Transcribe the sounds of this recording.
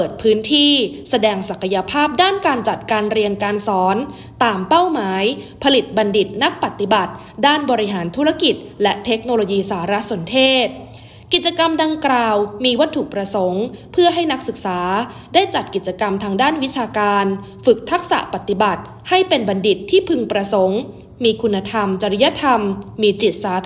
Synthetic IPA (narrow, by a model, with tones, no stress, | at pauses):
pɤː˨˩t̪̚pʰɯː˦˥nt̪ʰiː˥˩sa˧dɛː˧ŋsa˨˩kʰa˧ja˧pʰaː˥˩p̚daː˥˩nkaː˧nt͡ɕa˨˩t̪̚kaː˧nɾi˧ənkaː˧nsɔː˩˦n | t̪aː˧mpa˥˩wmaː˩˦jpʰa˧li˨˩t̪̚ba˧ndi˨˩t̪̚na˦˥k̚pa˨˩t̪ːi˨˩ba˨˩t̪̚ | daː˥˩nbɔː˧ɾi˦˥ɦaː˩˦nt̪ʰu˦˥ɾa˧˥˩ki˨˩t̪̚lɛ˦˥ʔt̪ʰe˦˥k̚noː˧loː˧jiː˧saː˩˦˥ɾa˦˥so˩˦nt̪ʰeː˥˩t̪̚ | ki˨˩t͡ɕa˧ka˧mda˧ŋklaː˨˩wmiː˧wa˦˥t̪ʰːu˨˩k̚pɾa˧so˩˦ŋpʰɯ˥˩ɐɦa˥˩jna˦˥k̚sɯ˨˩k̚saː˩˦ | daː˥˩jt͡ɕa˨˩t̪̚ki˨˩t̪̚t͡ɕːa˧ka˧mt̪ʰaː˧ŋdaː˥˩nwi˦˥t͡ɕʰaː˧kaː˧n | fɯ˨˩k̚t̪ʰa˦˥k̚sa̰˨˩pa˨˩t̪ːi˨˩ba˨˩t̪̚ | ha˥˩jpe˧nba˧ndi˨˩t̪ʰːiː˥˩pʰɯ˧ŋpɾa˧so˩˦ŋ | miː˧kʰu˧nːa˧t̪ʰa˧mt͡ɕa˧ɾi˦˥ja˦˥t̪ʰa˧mːiː˧t͡ɕi˨˩t̪̚saː˩˦